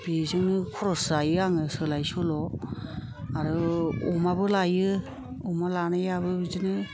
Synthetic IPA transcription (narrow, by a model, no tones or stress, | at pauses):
b̥izɯŋnɯkʰɔɾɔsajɯaŋɯsɯlajsɔlɔ | aɾɯɔmabɯlajɯ | ɔmalanajabɯbizɯnɯ